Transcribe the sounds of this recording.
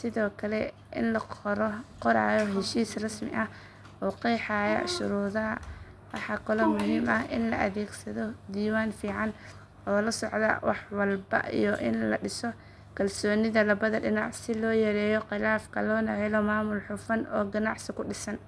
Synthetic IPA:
sɪðɔːkʰɐlɛ | ʔɪ̰nlɐɾɔqɔɾa̰ːjɔɦɛʃiːsrɐsmɪ̰ʔɐh | ʔɔːqijħɑːjɐ̰ʃʊ̰ɾuːðɐɐ | wɑħɑkʰɔlɔmʊɦiːmɐɦʔɪ̰nlɐ̰ʔɐðɛːɡsɐðɔd̪iːwaːnfiːʕɑn | ʔɔːlɐsɔʕd̪ɐ̰wɑ̰ħwɑlbɐ̰ʔḭjɔʔɪ̰nlɐɖɪsɔ | kʰɐlsɔːnɪðɐlɐβɐðɐɖɪnɑʕsɪlɔːjɛɾɛːjɔqɪlaːfkʰɐlɔːnɐhɛlɔmaːmʊlħʊfɐnɔːɡɐnɑʕsɪkʊɖɪsɐn

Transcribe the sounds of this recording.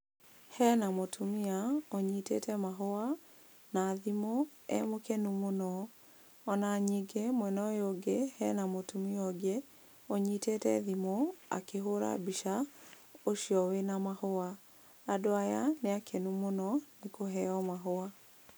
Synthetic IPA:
hɛnamotʰumiaoɲitḛtʰɛmaɦoa | naðimoɛ̰mokenumonɔ | ɔnaɲiɡemwɛnɔjoɡehɛnamotumiɔɡe | oɲitetɛ̰ðimoa̰keɦoɾa̰biʃa | oʃiɔwenamahoa | adoajaneakʰenumonɔnekoɦɛɔmaɦoa

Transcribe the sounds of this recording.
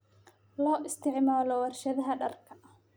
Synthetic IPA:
lɔːʔɪst̪ʰɪʕmaːlɔwɐrʃɐðɐɦɐɖɐrkʰɐʔɐ

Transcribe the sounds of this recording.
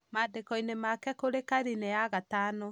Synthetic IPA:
maːdekɔinemakɛkoɾekaɾineaɣatano

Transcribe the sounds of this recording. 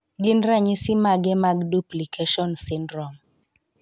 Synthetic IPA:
ɡɪnɾaɲisɪmaɡɛmaɡduplikʰeʃɔnsɪndɾɔm

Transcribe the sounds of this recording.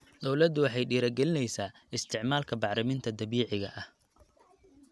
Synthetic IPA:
d̪ɔwlɐd̪ʊwɑħɑjɖiːɾɐɡɛlɪnɛjsaːɪst̪ʰɪʕmaːlkʰɐbɑʕɾɪmɪnt̪ʰɐd̪ɐβiːʕɪɣɐ̰ʔɐh

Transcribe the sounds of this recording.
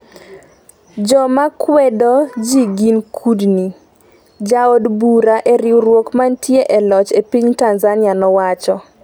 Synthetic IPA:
d͡ʒɔmakwɛdɔd͡ʒiɡinkʰudni | d͡ʒaodbuɾaʔeɾɪwɾwokmantʰjeʔɛlɔt͡ʃepiɲtanzanɪanɔwat͡ʃɔ

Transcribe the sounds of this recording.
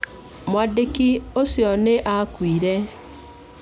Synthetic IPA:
mwadekiosjɔneʔakwiːɾɛ

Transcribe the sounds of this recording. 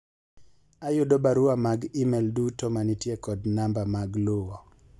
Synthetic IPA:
ajʊdobaɾʊamaɡimɛldutomanitjekɔdnambamaɡlʊwɔ

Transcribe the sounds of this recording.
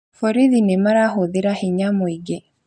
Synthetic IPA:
fɔɾiðinemaɾaɦoðeɾahiɲamoiɡe

